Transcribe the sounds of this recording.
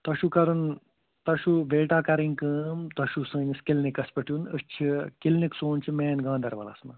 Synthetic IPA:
t̪ɐʃukɐɾun | t̪ɐʃuʋeːʈaːkɐɾiŋkɨːmt̪ɐʃusɨːniskilnikɐspɐʈʰjunəst͡ʃʰikilniksoːnt͡ʃʰimeːnɡãːnd̪ɐɾʋɐ̰lɐ̰snɐ̰

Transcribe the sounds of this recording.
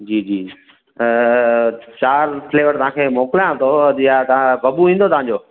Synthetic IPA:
d͡ʑiːd͡ʑiː | t͡ɕaːɾfleːʋəɾt̪ɐʋ̤ãkʰeːmoːkɪljãt̪ʰojat̪ãbɐbuʋĩːn̆d̪ot̪ɐʋ̤ãːɲd͡ʑoː

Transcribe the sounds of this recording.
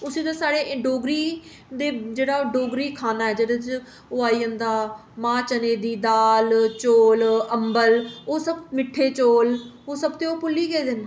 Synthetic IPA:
ʊsĩːd̪asaːɽeːʔɖoːɡɾiː | d̪eːd͡ʒeːɽaːɖoːɡɾiːkʰaːnaːɛːd͡ʒeːɽet͡ʃ | oːaːiːond̪aː | mãːt͡ʃəneːd̪iːd̪aːlt͡ʃoːləmbəloːsəbmɪʈʰːeːt͡ʃoːloːsəbt̪eːoːpʊlːiːɡeːd̪en

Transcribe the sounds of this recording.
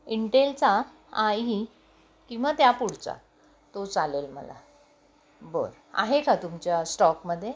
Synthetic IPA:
iɳʈelt͡sa | aji | kĩw̃ʋat̪japuɽt͡sa̰ | t̪ot͡salelmə̰la̰ | bə̰ɾ | a̰ɦekat̪umt͡ɕjasʈɔkməd̪ʱːje

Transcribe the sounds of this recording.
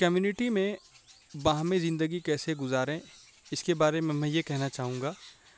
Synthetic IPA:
kɐmjuːnɪʈimẽ | ʋɐɦãmẽzɪ̃nd̪əɡikɛːseɡʊzaːɾẽ | ɪskebaːɾemẽmɛ̃jekɛɦnat͡ʃaːɦũːŋɡaː

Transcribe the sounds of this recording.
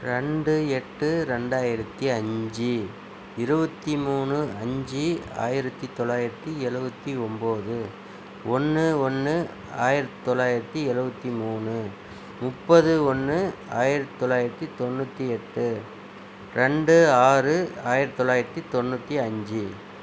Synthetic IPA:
ɾɛɳɖɯɛʈːɯɾɛɳɖaːjɪɾɐt̪ːiɐɲd͡ʒɯ | ɪɾɯbɐt̪ːimuːnɯɐɲd͡ʒia̰ːjɪɾɐt̪ːit̪ɔɭːaːjɪɾɐt̪ːiɛɻɯbɐt̪ːiɔmboːðɯ | ɔnːɯɔnːɯ | a̰ːjɪɾɐt̪ːt̪ːɔɭːaːjɪɾɐt̪ːiɛɻɯbɐt̪ːimuːnɯ | mʊpːɐðɯɔnːɯa̰ːjɪɾɐt̪ːt̪ːɔɭːaːjɪɾɐt̪ːit̪ɔnːʊt̪ːiɛʈːɯ | ɾɛɳɖɯaːrɯaːjɪɾɐt̪t̪ːɔɭːaːjɪɾɐt̪ːit̪ɔnːʊt̪ːiɐɲd͡ʒɯ

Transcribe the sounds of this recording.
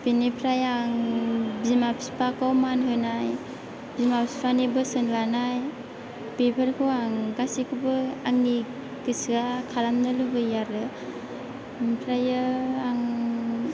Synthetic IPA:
binipʰɾajaŋbzimapsi̥pʰakawmanɦɯnaj | bimapspʰanibɯsɯnlanaj | pepʰaɾkʰɯwaŋɡasikʰubɯaŋni | kɯsɯɡakʰalamnɯlubɯjaɾɯ | pʰɾajɯaŋ

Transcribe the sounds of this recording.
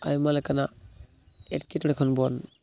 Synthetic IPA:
ajmalakana | etkitɔɾekʰɔnbɔn

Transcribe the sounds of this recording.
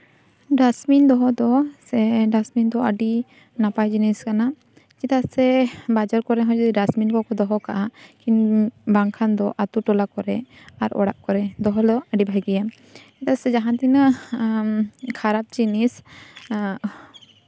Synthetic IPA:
ɖasmind̪ɔɦɔd̪ɔsɛɖasmind̪ɔəɖi | napajd͡ʒiniskana | t͡ʃit̪asɛbad͡ʒaɾkɔɾɛɦɔ̃d͡ʒɔd̪iɖasminkɔkɔd̪ɔɦɔkaʔakinbaŋkʰand̪ɔʔat̪uʈɔlakɔɾɛ | aɾɔ̰ɽaʔkɔɾɛd̪ɔɦɔld̪ɔəɖibʱajɡija | t͡ʃit̪asɛd͡ʒaɦãt̪inə | kʰaɾap̚t͡ʃinis

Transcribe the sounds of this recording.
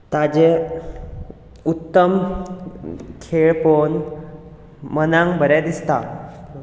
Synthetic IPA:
t̪ad͡ʑe | ut̪ːəm | kʰeɭpon | mənãŋɡbʱəɾad̪ist̪a

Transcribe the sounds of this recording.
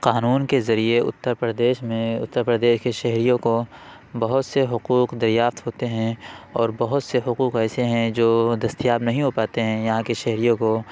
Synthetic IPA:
qaːnuːnkezɐɾieʊ̰t̪ːəɾpɾəd̪eːʃmẽʊ̰t̪ːəɾpɾəd̪eːʃkeʃɐɦɾijõko | bɐɦʊt̪seɦʊquːqd̪ɐɾjaːft̪ɦoːt̪eɦɛ̃ɔːɾbɐɦʊt̪seɦʊquːqɛːseɦɛ̃d͡ʒoːd̪ɐst̪ijaːbnɐɦĩɦopaːt̪eɦɛ̃jɐɦãkeʃɛɦɾijõko

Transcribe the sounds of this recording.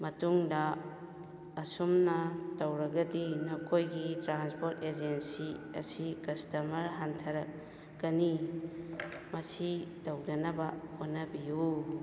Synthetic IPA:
mɐtuŋdɐ | sumnɐtɐwɾɐɡɐdinɐkʰojɡitɾanspʰoɾted͡ʒensiɐ̰sikɐstɐmɐɾɦantʰɐɾɐ | ɡɐni | mɐsitɐwdɐnɐbɐonːɐbiju

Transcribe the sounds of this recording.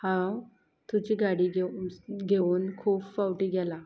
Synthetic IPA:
hãw | t̪ud͡ʑiːɡaɽiɡeɡʱeuːnkʰuːpfawʈiːɡɛla

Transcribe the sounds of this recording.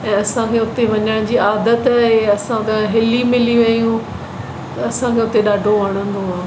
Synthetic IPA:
ɛ̃ːɐsãkʰeːʊt̪eʋɐɲəɽ̃d͡ʑiːaːd̪ət̪ɛɦeɐsãʊt̪aɦɪlimɪliʋɐijũ | ɐsãkʰeːʊt̪eɗaːɖʱoʋɐɽ̃ə̃nd̪oaː

